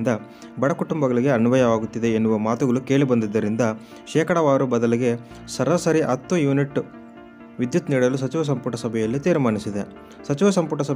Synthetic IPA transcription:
nd̪ɐ | bɐɽɐkuʈumbɐɡɐɭiɡe̞ɐnuʋɐjɐʋaːɡut̪ːid̪e̞ːnːuʋɐmaːt̪uɡɐɭuke̞ːɭibɐnd̪id̪ːɐɾind̪ɐ | ʃɛːkɐɽɐʋaːɾubɐd̪ɐliɡe̞ | sɐɾɐsɐɾiʔɐt̪ːujuːniʈː | ʋid̪jut̪niːɽɐlus̬ɐt͡ʃiʋɐs̬ɐmpuʈɐsɐbʱɛjɐlːit̪iːɾmaːnisid̪e | sɐt͡ʃiʋɐsɐmpuʈɐsɐb

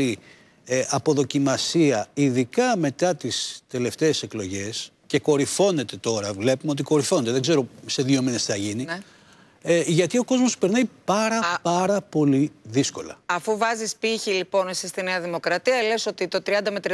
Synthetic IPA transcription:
i | ʔɐpo̞ðo̞cimɐsiɐiðikɐme̞t̪ɐt̪ist̪e̞le̞ft̪e̞ːse̞klo̞ʝe̞s | ce̞ko̞ɾifo̞ne̞t̪e̞t̪o̞ɾɐvle̞pumeot̪̬iko̞ɾifo̞not̪e̞ðeɡze̞ɾo̞se̞ðio̞mine̞sθɐʝini | ʝɐt̪io̞ko̞zmospe̞ɾnɐipɐɾɐpɐɾɐpo̞liðisko̞lɐ̰ɐfuvɐzispiçilipo̞nsest̪ineɐðimo̞kɾɐt̪iɐle̞so̞t̪it̪o̞t̪ɾiɐnd̪ɐmet̪ɾ

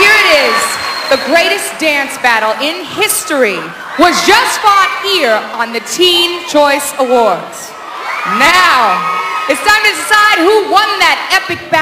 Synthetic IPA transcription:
iɹɨɾɪzðɨɡɹeɪɾɨsd̥æ̃nsb̥æɾl̩ˠɪ̃nhɪsti | wʌzd͡ʒʌstfɔn̚hiɹə̃nðɨtʰĩnt͡ʃʰɔɪsəwɔɹdz̥ | naʊɨtstãɪ̃mɨsaɪd̚huwʌ̃nðɨɾɛpɨk̚b̥æ

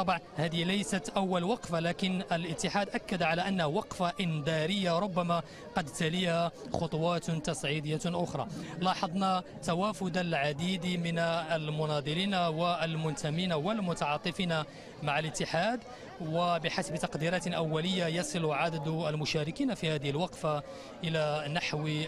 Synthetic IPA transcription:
t̪ːˤɑbʕnhæd̪ihlæjsat̪ʔawːalwɑqfalæːkɪnəlʔət̪ːɪħaːd̪ʔakːad̪ʕalaʔənːhwɑqfaʔɪnd̪ɑɾəjːaɾˤʊbːama | qɑd̪t̪alihaxot̪ˤʊwɑːt̪t̪ɑsˤʕid̪əjːaʔʊxɾˤɑ̰lɑːħɑd̪ˤnɑ | t̪awafʊd̪alʕad̪iːd̪mɪnəlmʊnɑd̪ˤɨlinawalmʊnt̪ʰamiːnawəlmʊt̪ɑʕɑːt̪ˤːɨfiːna | maʕalət̪ːɪħaːd̪ | wabɪħasbt̪ɑqd̪iɾɑːt̪lʔawːæləjːajɑsˤɨlʕad̪əd̪əlmʊʃæːɾɪkiːnafihæːd̪ɪhəlwɑqfa | ʔɪlænaħw

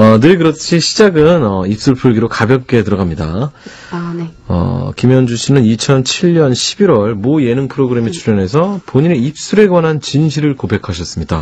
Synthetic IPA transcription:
ʌnɯkɯɾʌt͡ɕʰiɕʰid͡ʑaɡɯnʌip̚s͈ɯɭpʰuɭɡiɾokabjʌk̚k͈e̞tɯɾʌɡamɲida̰ | nʌ̰kimjʌnd͡ʑuɕʰinɯnit͡ɕʰʌnt͡ɕʰiɭːɲʌnɕʰibiɾwʌɭmoje̞nɯŋpʰɯɾoɡɯɾe̞met͡ɕʰuɾjʌnɦe̞sʰʌpoɲine̞ip̚s͈uɾe̞ɡwanɦant͡ɕinɕʰiɾɯɭkobe̞kʰaɕʰʌs͈ɯmɲida̰

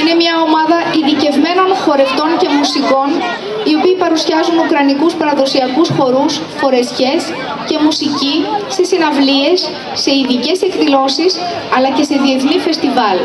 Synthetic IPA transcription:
ine̞mɲɐo̞mɐðɐiðice̞vme̞no̞nxo̞ɾe̞ft̪o̞ɲce̞musiko̞n | io̞piːpɐɾusjɐzunukɾɐnikuspɐɾɐðo̞siɐkusxo̞ɾus | fo̞ɾe̞sçe̞s | ce̞musicise̞sinɐvlie̞sː | e̞iðice̞se̞kðilo̞sis | ɐlɐce̞se̞ðie̞θnife̞st̪ivɐl

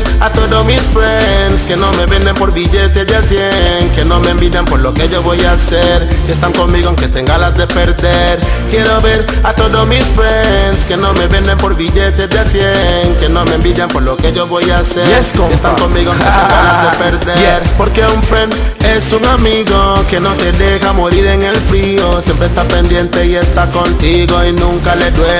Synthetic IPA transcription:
at̪oðomisfɾenske̞no̞meβe̞nd̪empo̞ɾβiʝe̞t̪e̞deasjeŋkeno̞meembiðjampo̞ɾlokeʝo̞βo̞jaseɾest̪aŋko̞nmiɣoaŋke̞t̪eŋɡalazd̪e̞peɾðeɾkje̞ɾo̞βe̞ɾat̪o̞ðomisfenske̞no̞me̞βe̞nd̪empo̞ɾβiʎe̞t̪ezdeasjeŋkeno̞meẽmbiðjampoɾlokeʝo̞βo̞jaseɾeskoest̪aŋkonmiɣokeeŋɡalad̪epeɾðeɾpo̞ɾke̞uɱfɾenesuŋamiɣoke̞no̞t̪e̞ðexamoɾiɾeŋe̞lfɾiosjempɾest̪ape̞nd̪je̞nt̪e̞iest̪ako̞nt̪iɣoinũŋkaleðwe

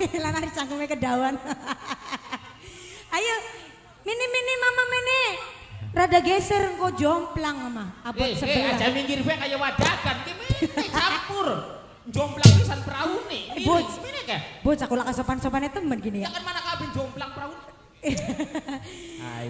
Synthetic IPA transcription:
lanaɾit͡ʃaŋɡumekədawan | ajə | miniminimamamene | radaɡesərŋkod͡ʒɔŋplaŋamaapɔsəaad͡ʒamiŋɡiɾifekajawadakank̪imit͡ʃapʊr | d͡ʒɔmplaŋt̪usaɾpəɾawuniebot͡ʃinikabot͡ʃakulakəsopansɔpanet̪əmənɡinijaakanmanakabɛnd͡ʒɔmplaŋpəɾaun

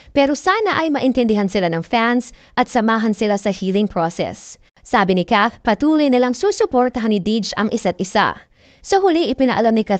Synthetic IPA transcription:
pɛːɾosaːnɐʔɐjmɐʔɪnt̪ɛnd̪ɪɦansɪlanɐŋfansʔɐt̪̚sɐmaːɦɐnsɪlasɐhiːlɪŋpɹosɛ̰sː | aːbɪnɪkaθpɐt̪uːlojnɪlaŋsusʊpoɹt̪ɐɦanːɪd̪id͡ʒɐŋʔɪsat̪̚ʔɪsa̰ | soɦʊliʔɪpɪnɐʔɐlamnɪkɐ

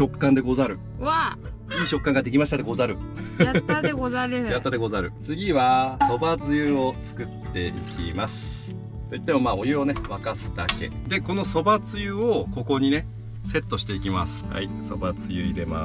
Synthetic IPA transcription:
o̞kːãnd̪e̞ɡozaɾɯ̟ | a | iːɕo̞kːãŋɡad̪e̞k̬ʲimaɕi̥t̪at̪eɡo̞zaɾɯ̟aeɡozaɾjat̪ːad̪eɡo̞zaɾɯ̟t͡sɨɡʲiβaso̞bat͡sɨjɯːo̞t͡sɨ̥kɯ̟t̪ʰːe̞ikʲḭmasɨ̥ | t̪o̞it̪ːe̞mo̞maːo̞jɯ̟o̞ne̞βakasɨ̥d̪a̰ke̞̰d̪e̞ko̞no̞so̞bat͡sɨjɯoko̞ko̞ɲ̟ine̞ | se̞t̪ːo̞ɕi̥t̪e̞ikʲima̰sɨ̥ha̰iso̞̰bat͡sɨjɯid̪e̞ma̰

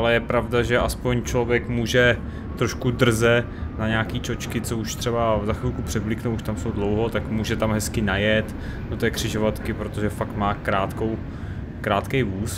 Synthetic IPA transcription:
ʔalɛjɛpɾavdaʒɛʔaspo̞ɲt͡ʃlo̞vjɛkmuːʒɛ | t̪ɾoʃkud̪r̩zɛ | naɲaːkiːt͡ʃo̞t͡ʃkɪt͡souʃt̪r̥ɛbazaxɪlkupr̥ɛvlɪknowuʃt̪amsowdlowɦo̞t̪akmuːʒɛt̪amɦɛskɪnajɛt̪ | d̥ot̪ɛːkr̝̥ɪʒovat̪kɪpɾot̪oʒɛfakt̪maːkɾaːt̪kow | kɾaːt̪kɛjvuːs

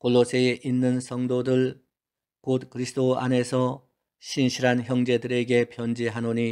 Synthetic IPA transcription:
koɭːosʰeeʔinːɯnsʰʌŋdodɯɭ | kot̚kɯɾisʰdoa̰ne̞sʰʌ | ɕʰinɕʰiɾançjʌŋd͡ʑe̞dɯɾe̞ɡe̞pjʌnd͡ʑiɦanoɲi

